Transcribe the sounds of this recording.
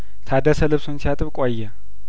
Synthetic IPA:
t̪ʰad̪əsəlɨβsunsijat̪ʼɨβkʷʼajːɛ

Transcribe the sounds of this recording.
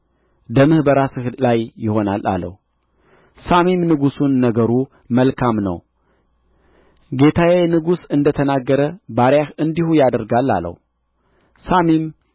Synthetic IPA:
d̪əmɨhbəɾasɨhlajːɪho̞na̰la̰lːə̰hu | samimnɨɡusunːəɡəɾu | məlkʰamnə̰w | ɡe̞t̪ʰawenɨɡusɨnd̪ət̪ʰənaɡːəɾəbaɾjahɨnd̪ihujad̪əɾɡalːa̰lːə̰hu | samim

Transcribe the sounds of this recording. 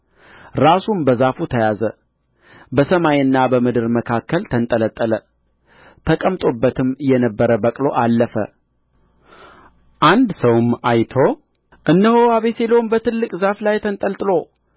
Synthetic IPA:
ɾasumbəzafut̪ʰəjazə̰ | bəsəmajɨnːabəmɨd̪ɨɾməkʰakʰːəlt̪ʰənt̪ʼələt̪ʼːələ | t̪ʰəkʼəmt̪ʼo̞bːət̪ʰɨmjɛnəbːəɾəbəkʼlo̞ʔalːəfə̰ | ʔand̪səwmajt̪ʰo̞ | ʔɨnːəhowaβe̞selonbət̪ɨlːɨkʼzaflajt̪ʰənt̪ʼəlt̪ʼɨlo̞

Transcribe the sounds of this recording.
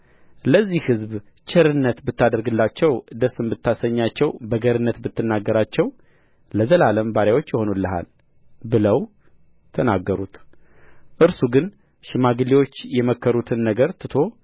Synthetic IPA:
ləzːihhɨzb | t͡ʃʰɛɾɨnːət̪bɨt̪ːad̪əɾɡɨlːat͡ʃːɛwd̪əsɨmbɨt̪ʰːasəɲːat͡ʃːɛwbəɡəɾɨnːət̪bɨt̪ːɨnːaɡːəɾat͡ʃːɛw | ləzəlaləmbaɾjawot͡ʃːjɪho̞nulːəɦa̰l | bɨləw | t̪ʰənaɡːəɾut̪ | ʔɨɾsuɡɨn | ʃɪmaɡɨliwo̞t͡ʃːjɛməkːəɾut̪ʰɨnːəɡəɾt̪ʰɨt̪ʰo̞

